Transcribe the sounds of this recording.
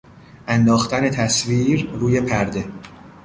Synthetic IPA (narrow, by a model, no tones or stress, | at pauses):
ʔænd̪ɒːxt̪ʰæne̞t̪ʰæsviːɾɾuːje̞pʰæɾd̪e̞